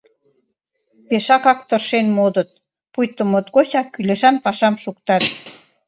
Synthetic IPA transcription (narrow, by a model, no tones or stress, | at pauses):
peʃɑkɑk̚t̪ərʃenmod̪ə̆t̪̚ | pujt̪əmot̪ɣot͡ɕɑkːyleʃɑnpɑʃɑmʃukt̪ɑt̪